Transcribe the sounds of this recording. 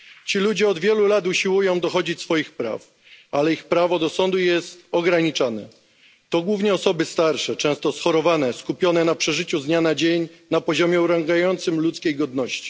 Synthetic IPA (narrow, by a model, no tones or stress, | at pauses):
t͡ɕilud͡ʑɛɔd̪vʲjɛlulat̪uɕiwujɔ̃w̃d̪ɔxɔd͡ʑit͡ɕsfɔjixpɾa̰f | alɛixpɾavɔd̪ɔsɔnd̪ujɛst̪ɔɡɾaɲit͡ʂanɛ̰ | t̪ɔɡwuvɲɛɔsɔbɘst̪aɾʂɛt͡ʂɛ̃w̃st̪ɔsxɔɾɔvanɛskupʲjɔnɛnapʂɛʐɘt͡ɕuzɲanad͡ʑeɲnapɔʑɔmʲjɛuɾaŋɡajɔnt̪sɘmlut̪skʲejɡɔd̪nɔɕt͡ɕi̥